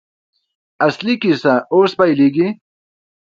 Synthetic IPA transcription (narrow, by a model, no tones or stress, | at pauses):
aslikisaospajliɡi